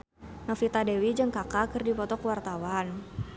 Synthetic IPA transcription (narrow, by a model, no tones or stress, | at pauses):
nɔfit̪adɛwid͡ʒɨŋkakakɨrdipɔt̪ɔkwart̪awan